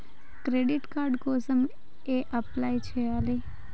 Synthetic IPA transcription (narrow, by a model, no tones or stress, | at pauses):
kɾeɖiʈkaɾɖkosəm | eʔəplajt͡ʃʰeali